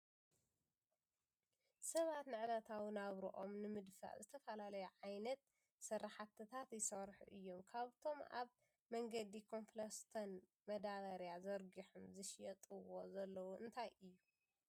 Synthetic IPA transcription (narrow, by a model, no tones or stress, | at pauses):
sɐβat̪nɨʕlat̪ʰawinaβɾuʔo̞mnɨmɨd̪fa̰ʔzɨt̪ʰɐfɐlalɐjɛʕajnɐt̪ | sɐrːaħat̪ʰɨt̪ʰat̪jɪsɐβɾħṵʔɨjːo̞mkʰaβt̪ʰo̞ma̰β | mɐŋɡɐd̪ikʰo̞nflɐst̪ʰɐn | mɐd̪adɐɾjazɐɾɡiħumzɨʃjɐt̪ʼɨwo̞zɐlːɐwuʔɨnt̪ʰajʔɨjːu